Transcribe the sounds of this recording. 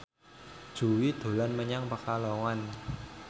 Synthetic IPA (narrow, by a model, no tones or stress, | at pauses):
d̥ʒ̥ṳwid̪̥o̤lanməɲaŋpakalɔŋan